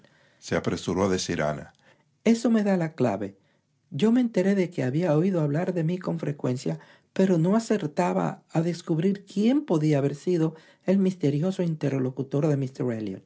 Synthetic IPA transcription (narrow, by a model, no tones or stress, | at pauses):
seapɾe̞suɾo̞aðe̞siɾa̰na̰ | e̞so̞me̞ðalakla̰βe̞ | ɟ͡ʝo̞me̞ːnt̪e̞ɾe̞ðe̞ke̞aβiaoiðo̞aβlaɾðe̞miko̞ɱfɾe̞kwe̞nsja | pe̞ɾo̞no̞ase̞ɾt̪aβa̰aðe̞skuβɾiɾkje̞mpo̞ðiaːβe̞ɾsiðo̞ | e̞lmist̪e̞ɾjo̞so̞int̪e̞ɾlo̞kut̪o̞ɾðe̞mist̪eɾeljo̰n